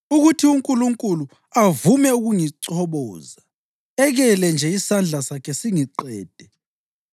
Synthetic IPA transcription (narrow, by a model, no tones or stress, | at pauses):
uɣutʰiuŋkʼuluŋkʼulu | avumɛuɣuŋiǀɔβɔːza | ɛɣɛlɛnd͡ʒʱɛisand͡ɮʱasakʰɛsiŋiǀɛːd̥ʱɛ